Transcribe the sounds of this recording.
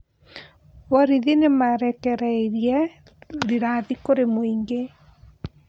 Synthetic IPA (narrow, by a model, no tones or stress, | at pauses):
wɔɾiðinemaɾɛkɛɾaeɾiɛ | ɾiɾaðikoɾemoiŋɡe